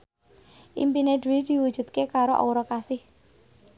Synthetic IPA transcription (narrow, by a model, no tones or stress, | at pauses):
ʔḭmpineduid̪̥i̤wud̥ʒ̥ṳt̪̚kekaɾoʔo̰ɾɔkasɪh